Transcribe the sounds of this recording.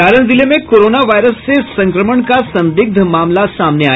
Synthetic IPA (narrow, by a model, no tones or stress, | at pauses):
aɾəɳd͡zilemekoɾonaʋajɾəst͡sesə̃ŋkɾəməɳkasənd̪iɡ̚d̪ʱəmamlasamnea̰